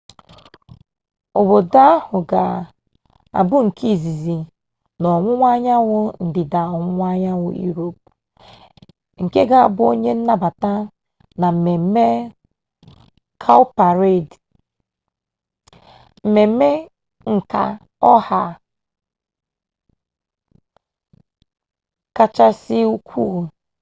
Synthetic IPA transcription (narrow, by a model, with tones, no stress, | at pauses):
o˨bo˨da˦a˦hʊ˨ɡa˨ | a̰˨bʊ˦ŋ̩˨kʰi˦˨zi˨zi˨ | nɔ˨ŋʷʊ˦ŋʷa˦ɲa˦wʊ˦n̩˨dɪ˨da˨ɔ˨ŋʷʊ˦ŋʷa˦ɲa˦wʊ̰˦jṵ˦ɾo˨p̚ | ŋ̩˨ke˦ɡa˦a˨bʊ˦o˦ɲe˦n̩˦na˦ba˨ta˦ | na˨m̩˨me˨˦me˦ | kʰa˦ʊ˦pa˨ɾe˦˨d | m̩˨me˨m̩˦me˦ | ŋ̩˨ka̰˨ | ɔ˦ha˨ | ka˦t͡ʃa˦sɪ˦u˦kʰʷu˦˨